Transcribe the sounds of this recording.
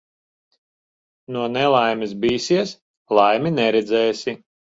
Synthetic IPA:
nuɔnɛlˠajmis̬biːsiɛs | lˠajminɛɾɛd̪zɛːsi

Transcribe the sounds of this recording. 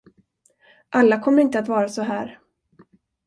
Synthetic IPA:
ʔalːakʰɔmːəɾɪnt̪əat̪vɑːɾasɔɦæːɾ

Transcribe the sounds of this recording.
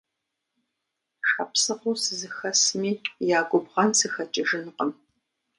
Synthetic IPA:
ʃɐpsɨqʊsɨzɨxɐsɨmiːjaːɡʷʼʊbʁɐnsɨxɐt͡ʃʼɪʒɪnqəm

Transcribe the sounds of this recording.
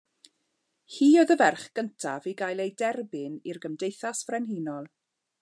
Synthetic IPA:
hiːɔðəvɛrχɡ̥əntʰaviɡajlˠejdɛrbɪnirɡəmdejθasv̥rɛnɦiːnɔlˠ

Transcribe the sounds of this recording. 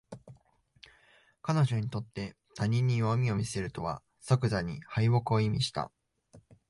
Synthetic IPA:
kano̞ʑo̞ɲ̟it̪o̞t̪ːe̞ | t̪ʰaɲ̟ĩɲ̟ːijomʲio̞mʲise̞ɾɯ̟t̪o̞βa̰ | sokɯ̟zaɲ̟ihaiβo̞kɯ̟o̞imʲiɕi̥t̪a̰

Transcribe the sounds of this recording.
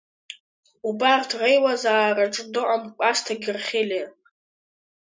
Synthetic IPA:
ubartʰrejwazaːraʈ͡ʂʼdɨqʼamkʷʼastʰaɡʲɪrχʲele

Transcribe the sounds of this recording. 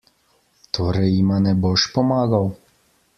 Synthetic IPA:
t̪ɔɾɛjimanɛbɔʃpɔmaɡaw

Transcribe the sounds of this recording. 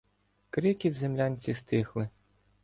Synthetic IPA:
kɾɪkʲid̪zemlʲanʲt͡sʲist̪ɪxlˠɪ

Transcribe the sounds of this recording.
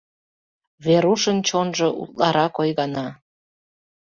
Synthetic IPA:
βeɾuʃənt͡ɕonʒŏʔṵt̪̚lɑɾɑkojɣɑnɑ

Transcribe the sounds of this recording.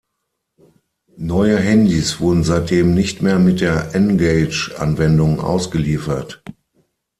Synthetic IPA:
nɔʏəɦɛndisv̥ʊɐdn̩zaɪt̚d̥eːmnɪçtmeːɐmɪt̚d̥eːɐʔɛnɡeɪt͡ʃʔa̰nvɛndʊŋʔa̰ʊsɡ̥əliːfɐt

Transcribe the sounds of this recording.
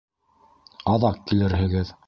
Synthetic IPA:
ɑðɑqkilɘɾhɘ̆ɡɘð

